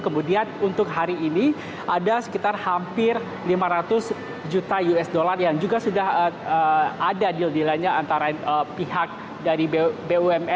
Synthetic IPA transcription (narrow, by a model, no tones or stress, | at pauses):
kəmudianunt̪ʊk̚ɦaɾiːni | ʔadasə̥kit̪arhampɪr | limaɾat̪ʊs | d͡ʒut̪ajuɛsdolarjaŋd͡ʒuɡasudahəəadadildilaɲaant̪aɾaəpihak̚ | daɾibebeuɛmɛ